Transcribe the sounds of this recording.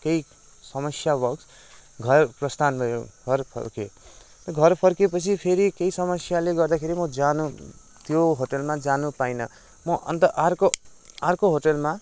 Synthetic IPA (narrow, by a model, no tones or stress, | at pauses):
kej | sʌmʌsjabʌɡs | ɡʱʌrprʌst̪ʰanbʱʌjoɡʰʱʌrpʰʌ̰rke | t̪ʌɡʱʌrpʰʌrkepʌt͡sʰipʰeɾikejsʌmʌsjaleɡʌrd̪akʰeɾimʌd͡zanu | t̪joɦoʈʌlmad͡zanupainʌ | mʌʔʌ̰nt̪ʌʔarkoarkoɦoʈʌlma